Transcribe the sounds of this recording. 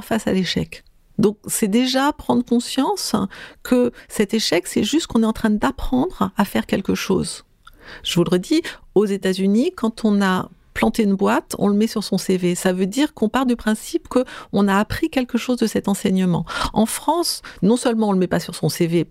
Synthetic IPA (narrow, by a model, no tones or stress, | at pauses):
ʁfasa̰leʃɛ̰k | d̪ɔ̃k̚sɛd̪eʒapχɑ̃d̪ʁəkɔ̃sjɑ̃skʰəsɛt̪eʃɛksɛʒyst̪̚kɔ̃nɛɑ̃t̪χɛ̃d̪apχɑ̃d̪ʁafɛʁkʲɛlkəʃo̰ːz | ʒ̥əvuləʁəd̪iozet̪azynikɑ̃t̪ʰɔ̃naplɑ̃t̪eynbwat̪ʰɔ̰̃ləmɛsyʁsɔ̃sevesavød̪iʁkɔ̃paʁld̪ypχɛ̃sipkəɔ̃naːpχikʲɛlkəʃozd̪əsɛt̪ɑ̃sɛɲəmɑ̰̃ɑ̰̃fχɑ̃snɔ̃sœlmɑ̃ɔ̃ləmɛpasyʁsɔ̃seve